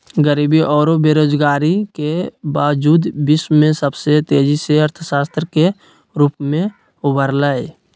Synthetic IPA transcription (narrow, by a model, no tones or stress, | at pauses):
ɡəɾiːbiʔɔːɾobeɾoːd͡ʒɡaːɾikebaːʋd͡ʒuːd̪bɪsmẽsəbset̪eːd͡ʒiseəɾt̪ʰəsaːst̪ɾəke | ɾuːpmẽ | ʊbʱəɾləe